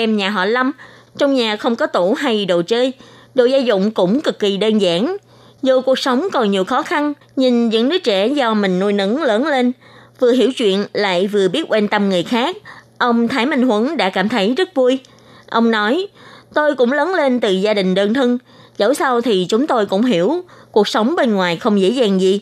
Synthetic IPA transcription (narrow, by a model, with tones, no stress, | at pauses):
ɛ˧mɲaː˨˩ɦɔ̰˧˨la˧m | t͡ɕɔ˧wŋ͡mɲaː˨˩xə˧wŋ͡mkɔ˨˦t̪u˧˩ɦa˧jɗo̰˨˩t͡ɕəː˧j | ɗo̰˧˨zaː˧zʊ̰˧˨wŋ͡mkʊ̰˧˥ŋ͡mkɨ˨˩kːi˨˩ɗe˧nza̰ː˧˥n | zu˨˩ku˨˩ək̚sə˨˦wŋ͡mkɔ˨˩nɲi˨˩əwxɔ˨˦xa˧n | ɲɨ˧ŋzɨ̰˧˥ŋnɨ˦˥ək̚t͡ɕɛ˧˩zɔ˧mï˨˩ŋ̟nu˧jnɨ̰˧˥ŋləː˨˦nle˧nvɨ˨˩əɦḭ˧˩əwt͡ɕwḭ˧˨ənla̰ː˧˨jvɨ˨˩əɓi˦˥ət̚kwa˧nt̪ə˧mŋɨ˨˩əjxaː˦˥k̚ | ʔə˧wŋ͡mt̪ʰaː˨˦jmï˧˩ŋ̟ɦwə˨˦nɗa̰ː˧˥kaː˧˩mt̪ʰə˨˦jzə˦˥t̚vu˧j | ʔə˧wŋ͡mnɔ˨˦jt̪o˧jkʊ̰˧˥ŋ͡mləː˨˦nle˧nt̪ɨ˨˩zaː˧ɗï˨˩ŋ̟ɗəː˧nt̪ʰɨ˧ŋ | zə˧˦wsa˧wt̪ʰi˨˩t͡ɕʊ˨˦ŋ͡mt̪o˧jkʊ̰˧˥ŋ͡mɦi˧˩əwku˨˩ək̚sə˨˦wŋ͡mɓe˧nŋwaː˨˩jxə˧wŋ͡mzḛ˧˥zaː˨˩ŋzi˨˩